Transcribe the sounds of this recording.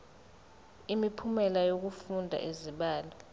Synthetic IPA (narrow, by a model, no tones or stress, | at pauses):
imipʰumɛlajok̬ufundʱa̰ʔeziɓaːlɔ